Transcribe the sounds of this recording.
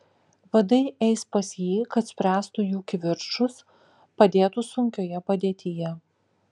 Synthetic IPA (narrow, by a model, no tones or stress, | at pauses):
ʋɐd̪ɐɪʔɛɪspɐsjiːkɐt̪sʲpʲɾʲæːst̪ujuːkʲʋʲɪɾʃʊs | pɐd̪ʲeːt̪usʊŋʲkʲoːjɛpɐd̪ʲeːt̪ʲɪjɛ